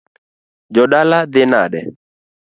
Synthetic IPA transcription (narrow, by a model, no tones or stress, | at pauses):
d͡ʒɔɗalad̪ɪnaɗɛ̰